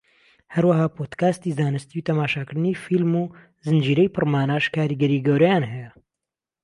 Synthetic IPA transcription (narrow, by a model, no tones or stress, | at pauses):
hɐɾwɐɦaːpʰoːd̪kaːst̪izaːnɨst̪iut̪ʰɐmaːʃaːkɨɾd̪ɨnifilmuː | zɨnd͡ʒiːɾɛjpʰɨrmaːnaːʃkʰaːɾiːɡɐɾiːɡɐwɾɐjaːnɦɛjɛ